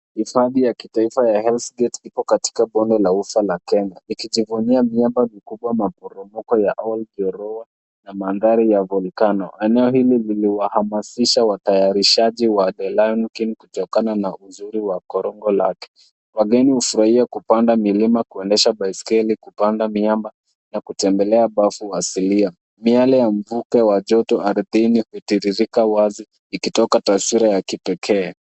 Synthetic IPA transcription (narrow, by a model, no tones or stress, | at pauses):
hifaðijakitaifajahɛlsɡɛtipɔkati̥kaɓɔndɛlaufalakɛɲaikiʄivuniamiambamikuɓwamapɔɾɔmɔkɔjaʔɔld͡ʒɔɾɔa | namanðaɾijavɔlikanɔʔɛnɛɔɦilililiwahamasiʃawatajaɾiʃaʄiwaɗɛlajɔnkinkutɔkananaʔuzuɾiwakɔɾɔŋɡɔla̰kɛ̥ | waɡɛnihufuɾahiakupandamilimakuɛndɛʃabaiskɛlikupandamiamba | nakutɛmbɛlɛaɓafuasilia | mialɛjam̩vukɛwaʄɔtɔaɾðinihutiɾiɾikawazi | ikitɔkatasiɾajakipɛkʰɛː